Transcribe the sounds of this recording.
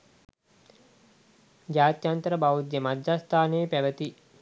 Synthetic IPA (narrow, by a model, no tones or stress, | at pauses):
d͡ʒaːt̪jant̪əɾəbaud̪jemad̪d͡ʒast̪ʰaːneːpæʋət̪i